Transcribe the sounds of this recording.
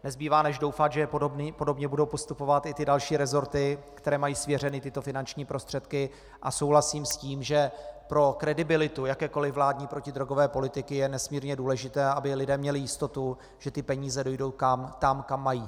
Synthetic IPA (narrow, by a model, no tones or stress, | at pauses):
nɛzbiːvaːnɛʒdo̞wfat̪ʒɛopo̞do̞bɲɛbudo̞wpo̞st̪upo̞vat̪ɪt̪ɪdalʃiːɾɛzo̞ɾt̪ɪkt̪ɛɾɛːmajiːsvjɛr̝ɛnɪt̪ɪt̪o̞fɪnant͡ʃɲiːpɾʔo̞st̪r̥ɛt̪kɪ | ʔaso̞wɦlasiːmsciːmʒɛpɾo̞kɾɛdɪbɪlɪt̪ujakɛːko̞lɪvvlaːdɲiːpɾo̞cɪdɾoɡo̞vɛːpo̞lɪt̪ɪkɪjɛnɛsmiːɾɲɛduːlɛʒɪt̪ɛːʔabɪlɪdɛːmɲɛlɪjɪst̪o̞t̪u | ʒ̥ɛt̪ɪpɛɲiːzɛdo̞jdo̞wkamt̪amkamːajiː